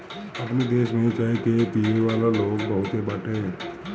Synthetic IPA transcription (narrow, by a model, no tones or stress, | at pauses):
əpnid̪eːʃmeet͡ʃaɦet̪epiʋeʋalaloːkbəɦut̪ebaʈʰe